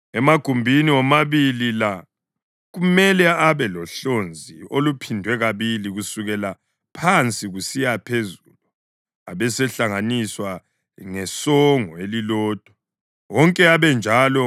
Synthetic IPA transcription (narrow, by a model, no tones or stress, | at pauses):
ɛmaɡ̥ʱumbʱiniwɔmaβilila | ɣumɛlɛaβɛlɔɬond͡zʱiolupʰindʱwɛɣaβiliɣusuɣɛla | pʰant͡sʼiɣusijapʰezulu | aβɛsɛɬaŋaniswa | ŋɛsɔŋɔelilɔːd̥ʱwa | wɔŋkʼɛaβɛnd͡ʒʱalɔ